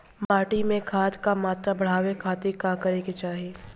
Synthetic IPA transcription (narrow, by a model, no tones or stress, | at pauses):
maːʈimẽkʰaːt̪kamaːt̪ɾabɐɽ̤aːwekʰaːt̪ekaːkɐɾeket͡ʃaːɦieː